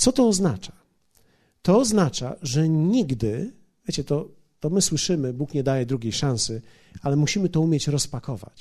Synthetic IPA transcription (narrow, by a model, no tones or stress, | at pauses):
t̪sɔt̪ɔːznat͡ʂḁ | t̪ɔːznat͡ʂa̰ʐɛɲiɡd̪ɘ | vjet͡ɕɛt̪ɔ | t̪ɔmɘswɘʂɘmɘbukɲɛd̪ajɛd̪ɾuɡʲejʂãw̃sɘ | alɛmuɕimɘt̪ɔumʲjɛt͡ɕɾɔspakɔva̰t͡ɕ